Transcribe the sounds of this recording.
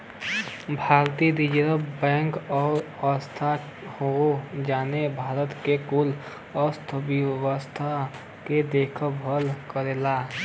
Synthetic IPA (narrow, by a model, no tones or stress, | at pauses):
bʱaːɾt̪id̪id͡ʒɾəbbɛ̃ːŋkɔːɾ | ɔst̪ʰa | hod͡ʒaːnebʱaːɾət̪kekʊl | ɔst̪ʰəbiʋəwəst̪ʰa | ked̪eːkʰəbʱəlkəɾeːlaː